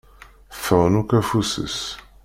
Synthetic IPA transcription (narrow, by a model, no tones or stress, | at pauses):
fəʁənukæfusə̰s